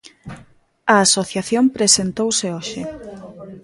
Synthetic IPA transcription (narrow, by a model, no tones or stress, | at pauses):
ɐasoθjaθjompɾesent̪owseoʃɪ